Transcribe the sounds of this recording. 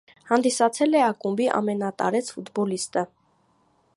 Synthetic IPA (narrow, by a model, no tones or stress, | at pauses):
hɑnd̪isɑt͡sʰɛlɛɑkumbiʔɑ̰mɛnɑt̪ɑ̰ɾɛt͡sʰfut̪bɔlist̪ə